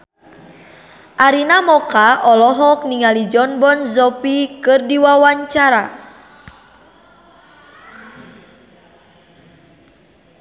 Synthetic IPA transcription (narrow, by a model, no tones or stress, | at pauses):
ʔaɾinamɔkaʔɔlɔɦɔk̚niŋalid͡ʒɔnbɔnzɔpikɨrdiwawaɲt͡ʃaɾa̰